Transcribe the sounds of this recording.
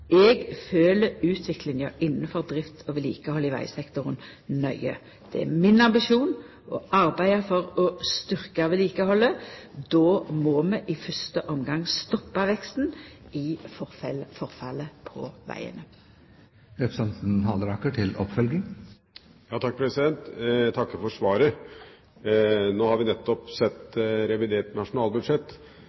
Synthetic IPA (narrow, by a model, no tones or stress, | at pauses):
ɛɡføːləʉːt̪ʰʋɪklɪŋəɪnːənfɔʁd̪ʁɪft̪ʰɔʋɛlḭːkəhɔlːəɪʋæ̰ɪsɛkt̪ʊʁən | nœʏə̰ | d̪̥ɛæ̰mɪnɑmbɪʃuːn | ʔɔʔɑʁbæɪəfɔɾɔst̪ʏʁkəʋɛliːkəhɔlːəd̪oːmɔmɛʔɪfœst̪əʔɔmɡɑŋst̪ɔpːɑʋɛkst̪n̩ɪfɔffɔɾfɑləpʰɔ̰ʋæ̰ɪə̰nə | øpsɑnsn̩ɦɑlɾɑkːəʈʰɪlɔ̰pfœlɡɪŋ | jɑːt̪ʰɑk̚ːpʰɾɛsɪd̪ɛnt̪t̪ʰɑkːəfɔʂʋɑːɾə | noːhɑɾʋɪnɛt̪ːɔpsɛt̪ːɾɛʋɪd̪eːʈnɑʂʊnɑːlˠbʉd̪ʂɛt̪ː